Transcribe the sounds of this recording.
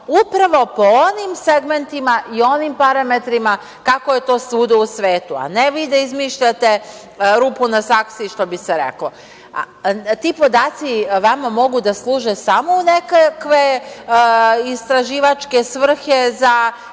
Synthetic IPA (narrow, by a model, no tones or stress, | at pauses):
upɾaʋo̞po̞onimseɡme̞nt̪imaʔio̞nimpaɾame̞t̪ɾima | kakoje̞t̪o̞ːsuːd̪ousʋe̞ːt̪ua̰neʋiːd̪aizmiːʃʎat̪e | ɾuːpunasaksiʃt̪o̞biseɾḛklo | t̪iːpo̞d̪aːt̪siʋamamo̞ɡud̪aslˠuːʒesamoune̞kakʋe̞ | ist̪ɾaʒiːʋat͡ʃke̞sʋr̩xe̞za